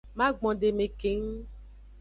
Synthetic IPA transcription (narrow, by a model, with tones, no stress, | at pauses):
mã˦ɡ͡bɔ̃˨ɖe˨mẽ˨ke˨ŋ̩˦